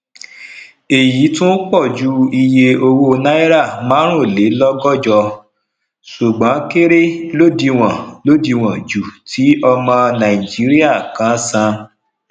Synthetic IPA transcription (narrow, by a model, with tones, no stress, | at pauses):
e˨ji˨˦tũ˦k͡pɔ˦˨d͡ʒu˨˦i˧je˧o˧wo˦˧nã˦i˦ɾa˦˨mãː˨˦ɾ̃ũ˦˨le˨˦lɔ˦ɡɔ˦˨d͡ʒɔ˧ | su˨ɡ͡bã˨˦ke˦ɾe˦lo˦di˧w̃ã˨lo˦di˧w̃ã˨d͡ʒu˨tʰi˨˦ɔ˧mã˧nã˨i˨d͡ʒi˨˦ɾi˦a˦˨kã˨˦sã˧